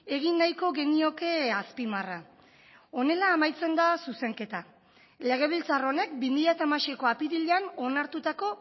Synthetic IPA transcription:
e̞ɣ̞inːajko̞ɣe̞nio̞ke̞aspimara | o̞ne̞laːmajt͡se̞nd̪asuse̞ŋke̞t̪a | le̞ɣ̞e̞β̞ilt͡saro̞ne̞k̚bimiʎat̪amaʃeko̞apiðiʎeano̞naɾt̪ut̪ako̞

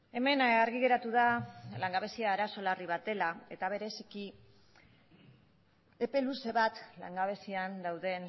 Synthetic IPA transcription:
e̞me̞naɾɣiɣe̞ɾat̪uðalaŋɡaβ̞e̞siaːɾaso̞lariβ̞at̪e̞laet̪aβ̞e̞ɾe̞siki | e̞pe̞luse̞βat̪la̰ŋɡaβ̞e̞siand̪awðe̞n

